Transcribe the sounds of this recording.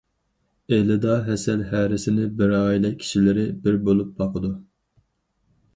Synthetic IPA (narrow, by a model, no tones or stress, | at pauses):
elɪd̪ɑɦɛsɛlɦæɾɪsɪnɪbɪɾɑːjilɛkʲʰi̥ʃilɪɾɪbɪɾbolˠup̚bɑqʰəd̪u